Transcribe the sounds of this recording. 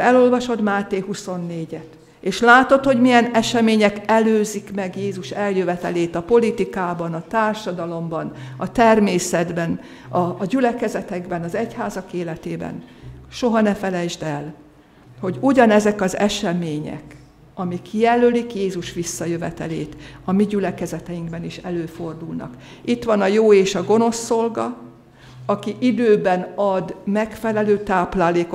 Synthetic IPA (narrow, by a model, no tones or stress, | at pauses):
ɛlo̞lvɒʃo̞t̪maːt̪eːhuso̞nːeːɟɛt̪ | eːʃlaːt̪o̞t̪ho̞ɟmijɛnɛʃɛmeːɲɛkɛløːzikmɛɡjeːzuʃɛljøvɛt̪ɛleːt̪ɒpo̞lit̪ikaːbɒnɒt̪aːrʃɒd̪ɒlo̞mbɒnɒt̪ɛrmeːsɛd̪bɛn | ɒɟylɛkɛzɛt̪ɛɡbɛnɒzɛchaːzɒkeːlɛt̪eːbɛ̰nʃo̞ɦɒnɛfɛlɛjʒd̪ɛl | ho̞ɟuɟɒnɛzɛkɒzɛʃɛmeːɲɛ̰k | ɒmikjɛlølikjeːzuʃʋisːɒjøvɛt̪ɛleːt̪ɒmiɟylɛkɛzɛt̪ɛjiŋkbɛniʃɛløːfo̞rd̪ulnɒ̰k | it̪ʋɒnɒjoːeːʃɒɡo̞no̞sːo̞lɡɒ | ɒkiʔid̪øːbɛnɒd̪mɛkfɛlɛløːt̪aːplaːleːko